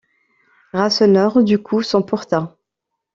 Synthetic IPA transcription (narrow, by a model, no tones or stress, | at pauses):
ʁasɔnœʁd̪ykʰusɔ̃puʁt̪ɑ̃